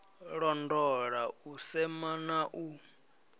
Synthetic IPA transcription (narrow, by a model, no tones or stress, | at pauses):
ɺɔndɔɺausɛmanaʔu